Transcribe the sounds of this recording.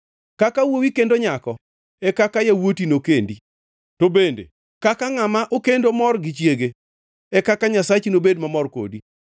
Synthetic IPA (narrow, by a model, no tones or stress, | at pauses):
kakawowikendoɲakɔ | ɛkakajawotinokendi | tobendḛ | kakaŋamaʔokendomɔrɡɪt͡ʃjeɡe | ɛkakaɲasat͡ʃinobedmamɔrko̰di